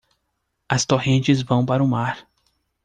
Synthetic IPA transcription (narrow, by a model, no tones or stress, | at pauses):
ɐst̪oɦẽnt͡ʃɪzvɐ̃w̃paɾʊmaɾ